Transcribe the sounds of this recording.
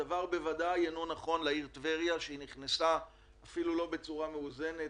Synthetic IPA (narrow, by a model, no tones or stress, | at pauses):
avaʁbe̞vadajenonaχo̞nlaiʁt̪veʁijaʃeiniχnesaː | filulo̞be̞t͡suʁameuze̞ne